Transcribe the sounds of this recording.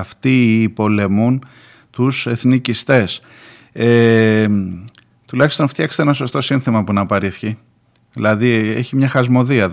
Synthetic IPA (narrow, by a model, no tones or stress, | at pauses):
ft̪iːpo̞le̞mun | t̪use̞θnicist̪e̞s | e | t̪ulɐçi̥st̪o̞nft̪çɐkse̥t̪enɐso̞st̪o̞sinθimɐpunɐpɐɾifçi | ðilɐðieçimɲɐxɐzmo̞ðiɐ